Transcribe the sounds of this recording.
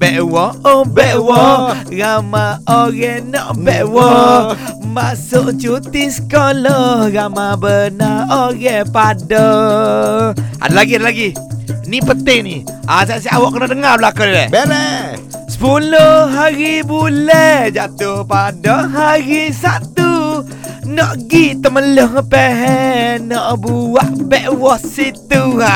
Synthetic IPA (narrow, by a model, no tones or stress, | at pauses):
b̥ɛʔwɔɔbɛʔwɔramaɔɣɛnɔʔbɛʔwɔ | masʊʔt͡ʃut̪isə̥kɔlɔramabənaoɣɛpadɔ | ʔa̰dalaɡiadalaɡinipənt̪ɪŋni | ʔas̬asiʔawɔʔkənadəŋablakudlɛ̰bɛlɛsə̥pulohɦaɾibulɛhd͡ʒat̪upadɔɦaɾisat̪u | nɔʔɡiʔt̪əmələhŋəpɛɦɛnɔʔbuwaʔbɛʔwɔsit̪ua